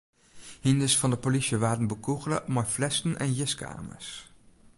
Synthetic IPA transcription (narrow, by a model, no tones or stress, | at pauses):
hɪndəsfɑndəpoliʃəʋaːdən̩bukuχlə̰mɑjflɛstənʔɛ̰njɪska̰ːmə̰ɹs